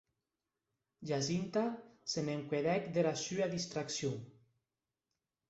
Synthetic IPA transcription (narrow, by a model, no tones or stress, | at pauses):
ʒazint̪aseneŋkweðɛkd̪eɾasyaðist̪ɾaksjo